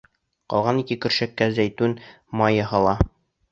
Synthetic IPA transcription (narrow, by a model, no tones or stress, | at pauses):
qɒ̰lˠʁɑnikɘkɵ̆ɾʃækːæzæjt̪ʉn | mɑjɑhɑlˠɑ